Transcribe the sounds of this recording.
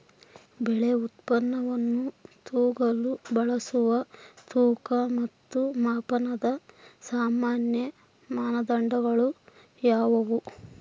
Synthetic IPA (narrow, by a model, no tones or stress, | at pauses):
bɛɭeut̪pɐnːɐʋɐnːut̪uːɡɐlubɐɭɐsuʋɐt̪uːkɐmɐt̪ːumaːpɐnɐd̪ɐsaːmaːnjɐ | maːnɐd̪ɐɳɖɐɡɐɭu | jaːʋɐʋu